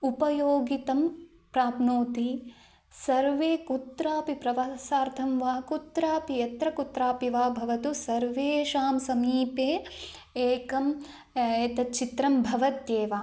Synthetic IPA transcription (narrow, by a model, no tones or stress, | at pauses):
upɐjoːɡit̪ɐm | pɾaːpnoːt̪i | sɐɾʋeːkut̪ɾaːpipɾɐʋasaːɾt̪ʰɐmʋaːkut̪ɾaːpijɐt̪ɾɐkut̪ɾaːpiʋaːbʱɐʋɐt̪usɐɾʋeːʃaːmsɐmiːpeː | eːkɐm | et̪ɐt͡ʃit̪ɾɐmbʱɐʋɐt̪jeːʋaː